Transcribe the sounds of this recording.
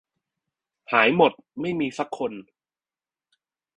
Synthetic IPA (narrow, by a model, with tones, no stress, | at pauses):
haː˩˦jmo˨˩t̪̚ma˥˩jmiː˧sa˦˥˩kʰːo˧n